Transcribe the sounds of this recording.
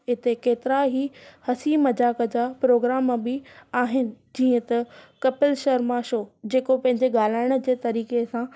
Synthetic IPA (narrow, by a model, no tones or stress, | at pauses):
ɪt̪ekeːt̪ɪɾaɦihɐsimɐd͡ʑaːkəd͡ʑaːpɾoːɡɾaːmbɪaːɦɪnɪ̆d͡ʑiːə̃t̪ɐkɐpɪlʃɐɾmãʃoːd͡ʑeːkopɐ̃ɦɪ̃ɲd͡ʑeɠaːl̤aːɪɽ̃ə̆d͡ʑeːt̪ɐɾiːkesã